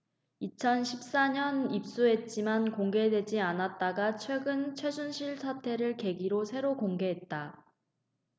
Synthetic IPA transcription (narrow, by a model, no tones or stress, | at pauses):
it͡ɕʰʌnɕʰip̚s͈aɲʌnip̚s͈uɦe̞t̚t͡ɕ͈imankoŋɡe̞dwe̞d͡ʑianat̚t͈aɡat͡ɕʰwe̞ɡɯnt͡ɕʰwe̞sʰunɕʰiɭsʰatʰe̞ɾɯɭke̞ɡiɾosʰe̞ɾokoŋɡe̞ɦe̞t̚t͈a